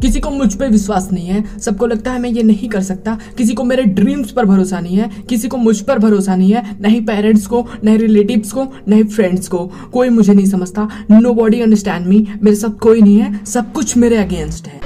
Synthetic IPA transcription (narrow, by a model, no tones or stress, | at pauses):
kɪsikomʊd͡ʒʱpeʋɪswaːsnɐɦĩɦɛːsɐb̚kolɐɡ̚t̪aɦɛmɛ̃jenɐɦĩkɐɾsɐk̚t̪akɪs̬ikomeːɾeɖɾiːmspɐɾbʱɐɾoːsanɐɦĩɦɛːkɪsikomʊd͡ʒʱpɐɾbʱɐɾoːsanɐɦĩɦɛːnɐɦĩpɛːɾə̃ɳʈskonɐɦĩɾɪleːʈɪbsko | nɐɦĩfɾɛ̃ɳɖsko | koːimʊd͡ʒʱenɐɦĩsɐməd͡ʒʱt̪anoːbɔːɖiɐ̃ɳɖəɾs̬ʈɛ̃ːɳɖmiːmeːɾesabt̪̚ʰkoːinɐɦĩɦɛːsɐb̚kʊt͡ʃʰmeːɾeɐɡẽːnsʈɦɛ̃ː